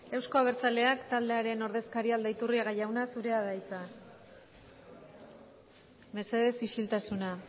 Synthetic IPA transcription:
e̞wsko̞aβ̞e̞ɾt͡sale̞akt̪ald̪e̞aɾe̞no̞ɾð̞e̞skaɾiald̪ait̪uriaɣajawnasuɾe̞aðajt͡sa | me̞se̞ð̞e̞siʃilt̪asuna

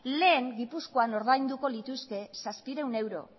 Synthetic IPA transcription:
le̞ːŋɡipusko̞ano̞ɾðajnd̪uko̞lit̪uske̞saspiɾe̞wne̞wɾo̞̰

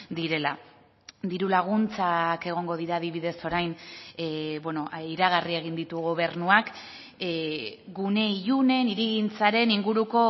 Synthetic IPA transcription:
d̪iɾe̞la | d̪iɾulaɣ̞unt͡sake̞ɣ̞o̞ŋɡo̞ðiɾaːðiβiðe̞so̞ɾajn | bwe̞noʔiɾaɣ̞arie̞ɣind̪it̪uɣoβ̞e̞ɾnuak | ɡune̞iʎune̞niɾiɣint͡saɾe̞niŋɡuɾuko̞

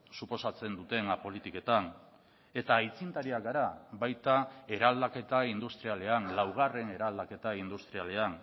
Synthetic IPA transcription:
supo̞sat͡se̞nd̪ut̪e̞napo̞lit̪ike̞t̪an | e̞t̪ait͡sint̪aɾiakɡaɾaβajt̪ae̞ɾald̪ake̞t̪aind̪ust̪ɾiale̞anlawɣ̞are̞ne̞ɾald̪ake̞t̪aind̪ust̪ɾialean

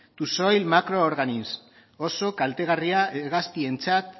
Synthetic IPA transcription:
t̪usojlmakɾo̞ːɾɣanins | oso̞kalt̪e̞ɣ̞ariaeɣast̪ie̞nt͡sat̪

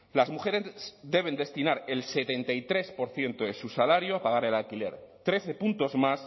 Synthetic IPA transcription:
lazmuxe̞ɾe̞sd̪e̞β̞e̞nd̪e̞st̪inaɾelse̞t̪e̞nt̪aijt̪ɾe̞spo̞ɾθje̞nt̪o̞ðe̞susalaɾjoapaɣ̞aɾe̞lalkile̞̰ɾt̪ɾe̞θe̞punt̪o̞zmas

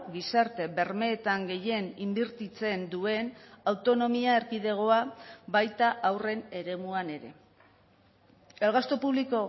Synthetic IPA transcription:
ɣisaɾt̪e̞be̞ɾme̞ːt̪aŋɡe̞je̞nimbiɾt̪it͡se̞nd̪ue̞nawt̪o̞no̞miae̞ɾkiðe̞ɣ̞o̞aβajt̪aʔawre̞ne̞ɾe̞muane̞ɾe̞̰ | e̞lɣast̪o̞puβ̞liko̞

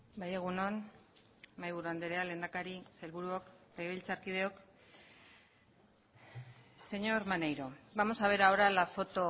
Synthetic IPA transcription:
baje̞ɣ̞uno̞n | majβuɾuand̪e̞ɾeale̞ːnd̪akaɾiselβuɾuokeɣeβilt͡saɾkið̞e̞o̞k | se̞ɲo̞ɾmanejɾo̞bamo̞saβ̞e̞ɾaoɾalafo̞t̪o̞

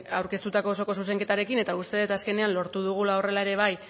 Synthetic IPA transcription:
awɾke̞st̪ut̪ako̞ːso̞ko̞s̬us̬e̞ŋke̞t̪aɾe̞kine̞t̪aust̪e̞ðet̪aske̞ne̞anlo̞ɾt̪uð̞uɣ̞ulao̞re̞lae̞ɾe̞β̞aj

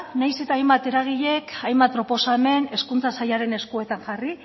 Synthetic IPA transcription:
najse̞t̪aːjmbat̪e̞ɾaɣ̞iʎe̞kajmbat̪̚pɾo̞po̞same̞ne̞skunt͡sasajaɾe̞ne̞skue̞t̪aŋʝari

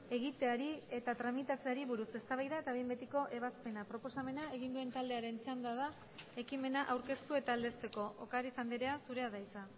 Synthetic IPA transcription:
e̞ɣit̪e̞aɾie̞t̪at̪ɾamit̪at͡seaɾiβuɾuse̞st̪aβajðae̞t̪aβembe̞t̪iko̞ʔe̞β̞aspe̞napɾo̞po̞same̞nae̞ɣ̞ind̪ue̞nt̪ald̪e̞aɾe̞nt͡seand̪aða | e̞kime̞naʔawɾke̞st̪ue̞t̪aːld̪e̞st̪e̞ko̞ʔokaɾit͡sand̪eɾe̞asuɾe̞aðajt͡sa

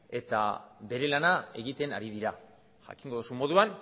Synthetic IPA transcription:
e̞t̪a̰βe̞ɾe̞lanae̞ɣit̪e̞na̰ɾiðiɾa | ʝa̰kiŋɡo̞ðusumo̞ðuan

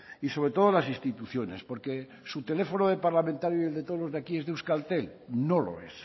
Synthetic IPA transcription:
iso̞β̞ɾet̪o̞ð̞olasĩst̪it̪uθjone̞̰spo̞ɾke | sut̪e̞lefonoðepaɾlamẽnt̪aɾjoield̪e̞t̪oolozðakiezðeuskalt̪elnolo̰ḛs

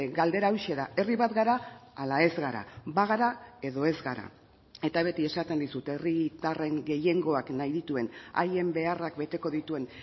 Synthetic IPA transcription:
ɡald̪e̞ɾawʃe̞ðae̞riβat̪ɡaɾaalae̞zɣaɾa̰baɣ̞aɾae̞ðo̞e̞zɡaɾa̰ | e̞t̪aβ̞e̞t̪ie̞sat̪e̞nd̪isut̪e̞rit̪are̞ŋɡe̞je̞ŋɡo̞aknajðit̪ue̞na̰je̞mbe̞arakbe̞t̪e̞ko̞ðit̪ue̞n

